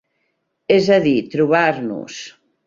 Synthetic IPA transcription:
ɛzaðit̪ɾuβaɾnṵs

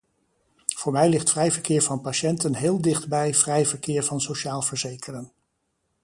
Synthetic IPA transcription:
v̥ʊːɹmɛjlɪχtfrɛjvəɹkɪːɹvɑnpaʃɛntənɦɪːlˠdɪχdbɛjv̥rɛjvəɹkɪːɹvɑnsowʃaːlˠv̥əɹzejkərən

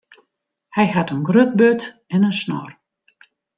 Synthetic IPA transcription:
hɛjɦatənɡrøt̚bøt | ɛnənsnɔ̰r

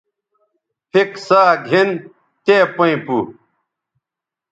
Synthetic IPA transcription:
pʰiksaːɡʱin | t̪eːpoĩpu

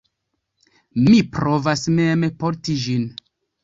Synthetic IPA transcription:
mipɾo̞vasmemepoɾtid͡ʒin

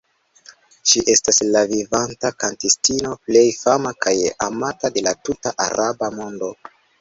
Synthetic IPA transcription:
ʃiʔe̞staslavivantakantistino̞ple̞jfamakajamatade̞latutaʔa̰ɾʔabamo̞ndo̞

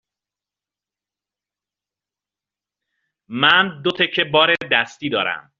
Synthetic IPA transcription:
mænd̪o̞t̪ʰecʰːe̞bɒːɾe̞d̪æst̪iːd̪ɒːɾæ̰m

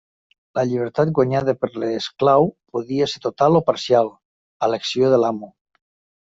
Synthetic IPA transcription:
laʎiβ̞eɾt̪at̪̚ɡwaɲaðapeɾleːsklawpoðiaset̪ot̪alopaɾsjal | aleksjoðelamu

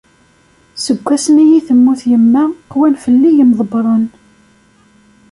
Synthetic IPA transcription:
səɡʷːæsnijiθəmːuθjəmːæqwænfəlːijəmðˤəbɾˤən

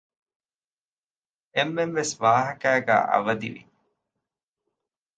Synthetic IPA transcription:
emːenʋesʋaːɦɐkæːɡæ̰ːʔɐ̰ʋɐd̪ḭʋḭ

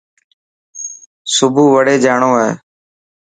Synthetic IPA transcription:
sʊbʱuːʋəɽeːd͡ʒaːɳõːḛː

